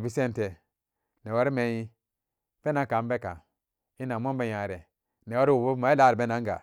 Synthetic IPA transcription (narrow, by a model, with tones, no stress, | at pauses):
bi˦se˦n˨te˨ | ne˨wa˦ɾi˦me˨˦ji˦ | pe˦na˨˦ka˨m˦be˦ka̰˨ | i˦na˨m˦o˦be˦ja˨ɾe˨ | ne˨wa˦ɾi˦wu˨bu˦ma˨˦i˦la˨˦˨ɾi˨be˦na˨˦ŋ˦ɡa̰˨